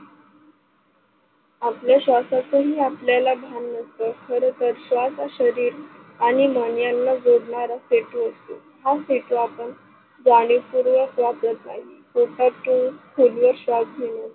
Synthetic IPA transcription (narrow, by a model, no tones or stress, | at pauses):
apljaɕʋasat͡səɦiːapljalabʱanːəst̪əkʰəɾət̪əɾɕʋasaɕəɾiːɾ | aɽ̃iməɳjanːad͡zoɽɳaɾaseʈuəst̪u | ɦaseʈuapəɳ | d͡zaɽ̃ipuɾʋəkʋatət̪naɦifoʈaʈuskʰulʋəɾɕʋap̚ɡʱenə